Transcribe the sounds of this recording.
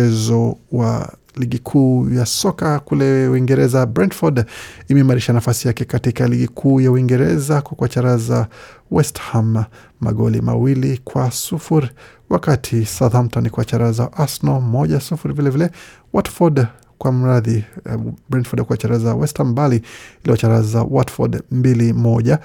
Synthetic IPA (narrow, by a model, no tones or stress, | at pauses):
ɛzɔwa̰ | liɡikʰuːjasɔkakulɛwiŋɡɛɾɛzabɾantfɔdimɛimaɾiʃanafasijakɛkatikaliɡikʰuːjauwiŋɡɛɾɛzakwakwat͡ʃaɾazawɛsthamː | a̰ɠɔ̰lḭma̰wilikwasufuɾi | wakatʰisaðamtanikwat͡ʃaɾazaʔasnɔmɔʄasufuɾivilɛvilɛ | watfɔd | kwam̩ɾaði | bɾɛnfɔdkuwat͡ʃaɾazawɛsthambaliiliɔt͡ʃaɾaza̰watfɔ̰dmbilimɔʄa